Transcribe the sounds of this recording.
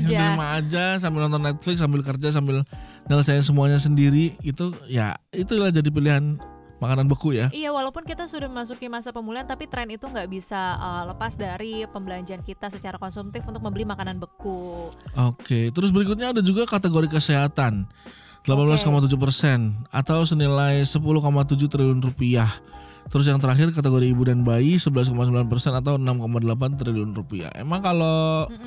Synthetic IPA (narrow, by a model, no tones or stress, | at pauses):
damaːd͡ʒas̬ambɪlnɔnt̪ɔnːɛt̪̚flɪksambɪlkərd͡ʒas̬ambɪl | nələs̬aɪns̬əmuaɲas̬əndiɾiɡit̪uja̰it̪ulahd͡ʒadip̬iliɦan | makananbəkujaijawalawpʊnkit̪asudahməmasukimasapəmuliant̪apit̪ɾɛnit̪uŋɡaʔbisaələpasdaɾipəmbəlaɲd͡ʒiankit̪asət͡ʃaɾakɔnsumt̪ɪfunt̪ʊk̚məmbəlimakananbəkuʔoket̪əɾʊs̬bəɾikʊt̪̚ɲaːdad͡ʒuɡakat̪əɡoɾikəseɦat̪an | d̥əlapanbəlaskomat̪̬ud͡ʒupərsɛna̰t̪aws̬ənilajsəpulʊhkomat̪ud͡ʒut̪əɾiliʊnrupiah | t̪əɾʊs̬jaŋt̪əɾaxɪrkat̪əɡoɾiːbudanbaisəbəlas̬komasəmbəlanpərsɛnat̪̬awənamkomadəlap̬ant̪̬ɾiliʊnrupia̰hḛmaŋkalo